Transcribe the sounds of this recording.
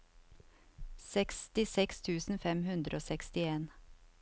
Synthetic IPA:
sɛkst̪ɪsɛkst̪ʰʉːsn̩fɛmhʉnd̪ɾoːsɛkst̪ɪeːn

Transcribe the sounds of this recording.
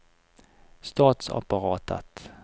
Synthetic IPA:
st̪ɑːt̪sa̰paɾɑːt̪ʰə̰t̪

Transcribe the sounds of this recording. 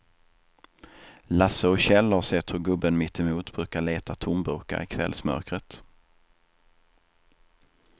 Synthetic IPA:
lasəɔɕɛlːhaɾsɛt̪hɵɾɡɵbːənmɪt̪ːɪmuːt̪bɾʉ̟ːkaɭeːt̪at̪ʰʊmbɵka̰ɾɪkʰvɛ̰lsmœ̰ɾkɾət̪

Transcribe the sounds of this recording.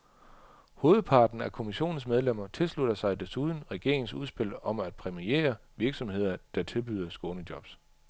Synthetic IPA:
ho̝ːð̞̩ˠpʰɑ̈ːd̥n̩ækʰo̝miɕo̝̰ːn̩s̬með̞ˠlem̰ɐt͡sʰe̝lslud̥ɐsɑ̈ɪd̥e̝suð̞ˠn̩ʁɛɡ̥e̝ɐ̰eŋ̩suðˠsb̥e̝l̰ɒ̽mæd̥̚pʰʁɛmiḛːɐ | ʋiɐɡ̥sɒ̽mhe̝ð̞̰ˠɐd̥ɑ̈t͡sʰe̝lb̥yðˠɐsɡ̥ɔo̽ːnəd̥jɒ̽b̥s

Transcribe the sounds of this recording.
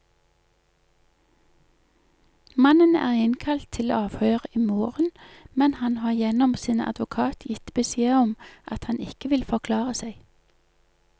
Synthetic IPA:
mɑnənæ̰ːʁɪnkʰɑlt̪ʰɪlːɑːʋhøːʁəiːmoːʁənmɛnhɑnhɑːʁjɛnɔmsiːnɑ̰d̪ʋʊkʰɑːt̪ʰjɪt̪bəseːəɔmʔɑt̪hɑnɪkəʋɪlfɔʁkʰlɑːʁəsæɪ

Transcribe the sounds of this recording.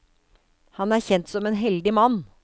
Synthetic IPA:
hɑnæːɾçɛnt̪sɔmeːnɦɛld̪ɪmɑnː

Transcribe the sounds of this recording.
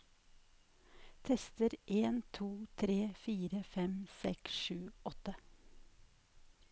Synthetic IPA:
t̪ʰɛst̪əɾʔeːnt̪ʰuːt̪ʰɾeːfiːɾəfɛmsɛ̰ksʃʉːɔt̪ə

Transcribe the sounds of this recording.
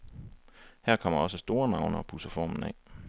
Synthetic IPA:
hæɐ̰kʰɒ̽m̰ɐɒ̽səsd̥o̝ːɐnɑ̈ʊnɐɒpʰusɐfɒ̰ːmn̩ɛ̰

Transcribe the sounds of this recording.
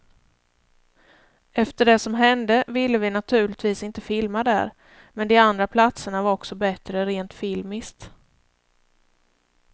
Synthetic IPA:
ɛft̪əɖɛsɔmɦɛnd̪əvɪlːəvɪnat̪ʰʉ̟ːɭɪt̪viːsɪnt̪əfɪlmad̪æ̰ɾ | mɛnd̪ɪand̪ɾapʰlat̪səɳavaɾɔksɔbɛt̪ɾəɾeːnt̪fɪlmɪskt̪

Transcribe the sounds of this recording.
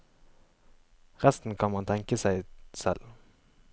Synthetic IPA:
ʁɛst̪n̩kʰɑnmɑnt̪ʰɛŋkəsæɪsɛl

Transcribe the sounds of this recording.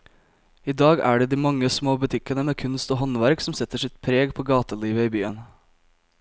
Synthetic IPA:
iːd̪ɑːɡæ̰ːɖeːd̪iːmɑŋːəsmoːbʉt̪ʰɪkənəmeːkʰʉnst̪oːɦɔnʋæɾksɔmsɛt̪ːəʂɪt̪pʰɾeːɡpʰoːɡɑːt̪əliːʋəiːbyːən

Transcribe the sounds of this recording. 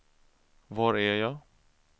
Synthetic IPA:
vaɾæjɑː

